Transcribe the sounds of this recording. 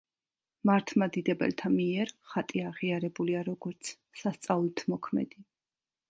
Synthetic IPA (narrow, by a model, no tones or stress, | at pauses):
maɾt̪ʰmad̪id̪ɛbɛ̰lt̪ʰamiɛɾχat̪ʼiaʁiaɾɛbuliaɾɔɡɔɾt̪sʰ | sast̪sʼalˠt̪ʰmɔkʰmɛ̰d̪̥i